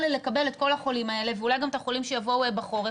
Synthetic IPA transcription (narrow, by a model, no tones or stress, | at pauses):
lelekɐbe̞let̚ko̞laχo̞limae̞leveulajɡamt̪aχo̞limʃejavo̞uebaχo̞ʁe